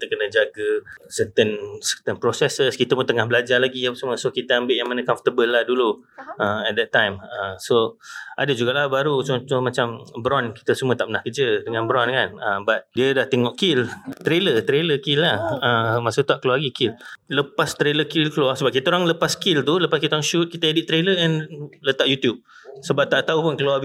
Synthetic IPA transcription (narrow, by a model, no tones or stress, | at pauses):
kit̪əkənə̃d͡ʒaɡəsət̪ənsərt̪ənpɾosɛsəskit̪əput̪əŋahbəlad͡ʒarlaɡiapəsməsokit̪əəmbɪʔjaŋmanəkãɱfət̪əbəlːahduluəɛt̪̚d̪ɛt̪ːãjməsoa̰dəd͡ʒuɡalahbaɾut͡ʃɔntɔmat͡ʃambɾɔnki̥t̪əsəmuət̪aʔpənahkəd͡ʒədəŋãnbɾɔnkanəbat̪̚diədaht̪eŋɔʔkilt̪ɾelət̪ɾeləkilːahəmasut̪aʔkəluaɡikilləpast̪ɾeləkilkəluahsəbap̚kit̪aoɾaŋləpaskilt̪uləpaskit̪aoɾaŋʃut̪̚kit̪əidiʔt̪ɾeləɛ̃nlət̪aʔjut̪jub̚ | səbap̚t̪aʔt̪aupʊnkəluab